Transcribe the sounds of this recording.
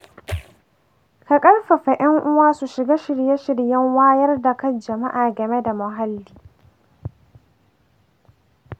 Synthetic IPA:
ka˨kʼɐ˦lɸɐ˨ɸa˨ʔɐ˦ŋʔʊ˦waː˦su˨ʃɪ˨ɡaː˦ʃɪ˨ɽje˦ʃɪ˨ɽjɐ˦ŋwaː˦jɐ˦rda˨kɐ˦nd͡ʒɐ˨ma˦ʔaː˨ɡɐ˨me˦da˨mʊ˨ɦa˦lːiː˦

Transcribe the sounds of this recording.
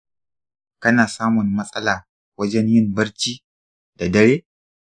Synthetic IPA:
kɐ˦naː˨saː˦mʊ˨nːɐ˦sʼɐ˦laː˨ | wɐ˦d͡ʒɛ˦ɲjɪ˦˨mbɐ˦ɽt͡ʃiː˦ | d̥a˨dɐ˦ɽeː˦

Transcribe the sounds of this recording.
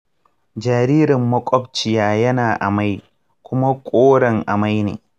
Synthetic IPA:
d͡ʒaː˨ɾiː˦ɾɪ˨mːɐ˦kʷʼɔ˦bt͡ʃɪ˨jaː˦jɐ˦naː˨ʔa˨ma˦j | kʷʊ˦ma˦kʷʼoː˦ɽɐ˨ŋʔa˨ma˦jnḛː˨

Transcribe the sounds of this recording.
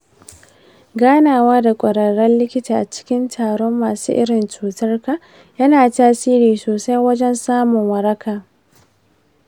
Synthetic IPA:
ɡaː˦naː˨waː˦da˨kʷʼɐ˨ɽɐ˨ɽɛ˦nlɪ˦kʲɪ˦taː˨ʔa˨t͡ʃɪ̥˦kʲɪ˦ntʰaː˨ɽɔ˦mːaː˨sṵː˦ʔɪ̰˦ɽɪ˨nt͡ʃuː˨tɐ˦rkaː˨ | jɐ˦naː˨taː˦siː˦ɾiː˨soː˨sa˦jwɐ˦d͡ʒɛ˦nsaː˦mʊ˨ŋwɐ˨ɾɐ˦kʰaː˨

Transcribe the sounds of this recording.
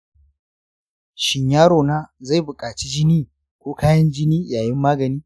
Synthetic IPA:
ʃɪ˨ɲjaː˦ɽoː˨naː˦za˦˨jbʊ˨kʼaː˨t͡ʃi˦d͡ʒɪ˦niː˦ | kʷoː˦kaː˦jɐ˦nd͡ʒɪ˦niː˦jaː˨jɪ˦mːaː˦ɡɐ˨niː˦

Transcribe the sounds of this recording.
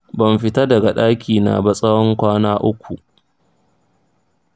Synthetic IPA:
bɐ˨mɸɪ˦ta˦dɐ˨ɡa˨ɗaː˦kʲiː˨na̰˨ba˦sʼɐ˦wɔ˦ŋkʷaː˦naː˦ʔʊ˦kʷu˨ʔ

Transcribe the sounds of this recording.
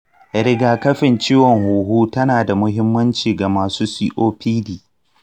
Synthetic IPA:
ɾɪ˦ɡaː˨kɐ˦ɸɪ˨nt͡ʃiː˦wɔ˨ŋhuː˨ɦuː˦tɐ˦naː˨da˨mʊ˦ɦɪ˦mːɐ˦nt͡ʃiː˨ɡa˨maː˨suː˦siː˦ʔoː˦ɸiː˦diː˨

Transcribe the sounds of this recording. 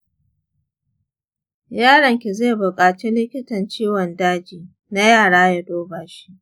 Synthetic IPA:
jaː˦ɽɐ˨ŋkʲi˨ze˦˨bʊ˨kʼaː˨t͡ʃi˦lɪ˦kʲɪ˦tɐ˨nt͡ʃiː˦wɔ˨ndaː˦d͡ʒiː˨ | na˦jaː˦˨ɽaː˦ja˦doː˦baː˨ʃi̥˦ʔ

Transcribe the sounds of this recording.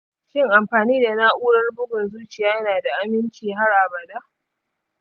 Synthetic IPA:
ʃɪ˦ŋʔa˨mɸaː˨niː˦da˨na˦ʔuː˦ɽɐ˦rbʊ˦ɡʷɔ˨nzuː˦t͡ʃɪ˨jaː˦jnaː˨da˨ʔa˦mɪ˦nt͡ʃiː˨ɦa˦rʔa˨bɐ˨da˦ʔ

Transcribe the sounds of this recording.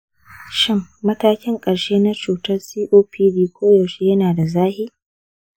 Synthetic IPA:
ʃɪ˦mːɐ˦taː˦kʲɪ˦ŋkʼɐ˨ɽʃeː˦na˦t͡ʃuː˨tɐ˦rsiː˦ʔoː˦pʰiː˦diː˦kʷoː˦joː˨ʃi˦jɐ˦naː˨da˨zaː˦hi˦

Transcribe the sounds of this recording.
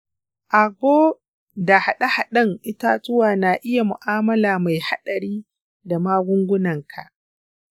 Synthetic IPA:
ʔa˨ɡʷoː˦ | da˨ha˨ɗa˦ha˨ɗɐ˦ŋʔɪ˦ta˦tʊ˦waː˨na˨ʔɪ˦ja˨mʊ̰˨ʔaː˦mɐ˦laː˨ma˨jha˦ɗɐ˨ɾiː˦ | da˨maː˦ɡʷʊ˦ŋɡʷʊ˦nɐ˨ŋkʰa̰˨ʔ

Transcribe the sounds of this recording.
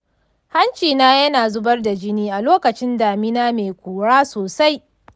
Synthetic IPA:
ha˦nt͡ʃiː˨naː˦jɐ˦naː˨zʊ˦bɐ˦rda˨d͡ʒɪ˦niː˦ʔa˨loː˦kɐ˨t͡ʃɪ˦ndaː˨mɪ˦naː˦meː˨kʷuː˨ɽaː˦soː˨sa˦j

